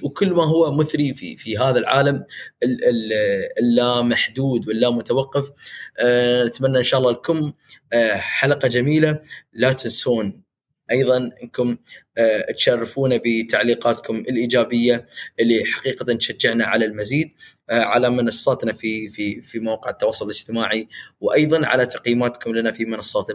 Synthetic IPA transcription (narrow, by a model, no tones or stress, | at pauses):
wkʊlːmaɦʊwːamʊθɾifḭfiɦaːðalʕa̰ːlam | lːaːmːaħd̪uːd̪wɪlːaːmːʊt̪awɑqːɑf | nɪt̪manːaʔɪnʃaːʔlːɑlkʊm | ħalaqɑd͡ʒamiːlalat̪ɪnsuːn | ʔɑjðˤɑnʔɪnkʊm | t̪ʃarːɪfuːnabət̪aʕliːqɑːt̪kʊmɪlʔiːd͡ʒaːbɪjːaʔɪlːiħḁqiːqɑt̪ant̪ʃad͡ʒːɪʕnaʕa̰lalmaziːd̪̚ | ʕalamɪnɑsˤːɑːt̪nafififimawaːqɪʕɪt̪ːɑwɑːsˤːʊlɪlɪd͡ʒt̪ɪmaːʕiwʔɑjðˤɑnʕa̰lat̪aqjiːmaːt̪kʊmlanafimɪnɑsˤːɑːt̪